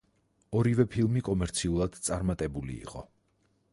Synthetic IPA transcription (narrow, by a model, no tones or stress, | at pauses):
ɔɾivɛpʰilˠmikʼɔmɛɾt̪sʰiulˠad̪̥t̪sʼaɾmat̪ʼɛbulḭːqʼɔ̰